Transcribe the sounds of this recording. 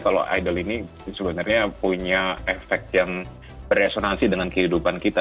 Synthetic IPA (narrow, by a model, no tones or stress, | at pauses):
kalo̰ʔa̰jdəlini | səbənarɲapuɲaefɛk̚t̪̚jaŋ | bəresonansidəŋankəhidupankit̪a